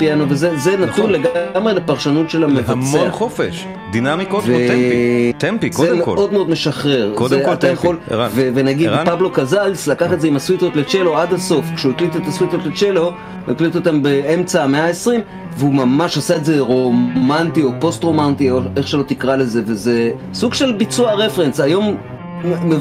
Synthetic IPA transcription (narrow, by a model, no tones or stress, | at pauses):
pianovezezenat̪unleɡamʁe̞lepaʁʃanutʃe̞lamevat͡seanχofeʃ | d̪inamikotve | t̪empizemeʔo̞d̪meo̞d̪meʃaχe̞ʁkodeat̪ajaχo̞lvevenaɡidpablo̞kazalslakaχetzeimaswit̪ot̪let͡ʃeload̪aso̞fkʃeuiklit̪et̪aswit̪ot̪let͡ʃelo̞ | uiklit̪ot̪ambeemt͡sameaesʁim | veumamaʃasaetze̞ʁo̞mantio̞po̞st̪ʁo̞mant̪ieχʃelo̞t̪ikʁale̞ze̞veze | suɡʃe̞lbit͡suaʁe̞fensajo̞m | me